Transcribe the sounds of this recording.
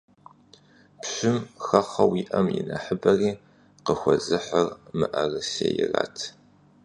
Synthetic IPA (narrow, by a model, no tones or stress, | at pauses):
pɕʊmxɐχɐwiːʔɐmjɪnɐħəbɐriː | qəxʷɔzɨħɐrmɨʔɐrɨseːjɪraːtʰ